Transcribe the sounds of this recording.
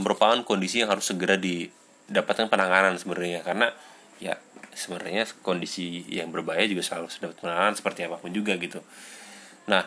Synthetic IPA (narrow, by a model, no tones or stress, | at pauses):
məɾupaankondisijaŋɦaɾʊsːəɡəɾadi | dapat̪̚kanpənaŋanansəbənaɲakarəna | ja̰səbənaɲakondisijaŋbərbajad͡ʒuɡasəlalusədapat̪̚pənaŋanansə̥pərt̪iapapʊnd͡ʒuɡaɡit̪u | nah